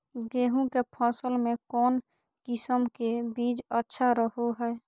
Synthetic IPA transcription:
ɡeːɦũkepʰɔ̃ːsəlmẽkɔːn | kɪsəmkebiːd͡ʒətːʃʰaɾəɦoɦɛː

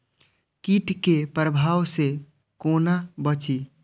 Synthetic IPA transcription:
kiʈkepɾəbʱaːwse | konabət͡ʃi

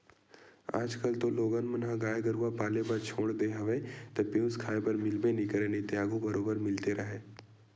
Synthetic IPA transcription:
a̰ːd͡ʒkəlt̪oloːɡənmənɦãɡaːjɡɐɾuːapaːlepɐɾt͡ʃʰoːɽd̪eɦɐʋet̪ɐpeːskʰaːepɐɾmɪlbenɪkəɾenet̪jaːɡũbɐɾoːbəɾmɪlt̪eɾɐɦeː

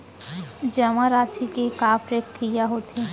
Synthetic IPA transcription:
d͡ʒəmaɾaːt͡ʃʰikekaːpɾekːijaɦoːt̪e

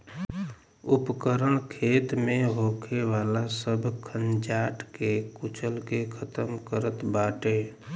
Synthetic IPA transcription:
upkəɾəɳkʰeːt̪mẽɦokʰeʋaːlasəbʱkʰənd͡ʒaːʈʰkekut͡ʃʰəlkekʰət̪əmkəɾət̪baːʈeː

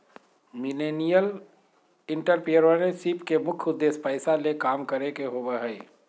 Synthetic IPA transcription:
mɪleːnijəl | ɪ̃ɳʈəɾpijəɾənẽsipkemʊkʰʊd̪ːeːspəɪsalekaːmkəɾekeɦoːbəɦɛɪ

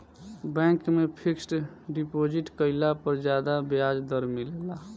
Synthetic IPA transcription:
bɛ̃ŋkmepʰiksʈ | ɖipod͡ʒiʈkəɪlapəɾd͡ʒad̪abjad͡ʒd̪əɾmilela

